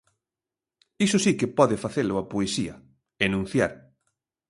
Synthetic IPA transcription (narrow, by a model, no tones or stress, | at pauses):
isʊsikepɔðɪfaθelʊapoesiɐ | enũn̟θjaɾ